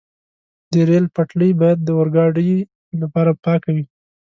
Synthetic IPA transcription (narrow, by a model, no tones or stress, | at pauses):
d̪əɾelpaʈləjbɑjad̪̚ːəwaɾɡɑɖəj | lapɑɾapɑkawi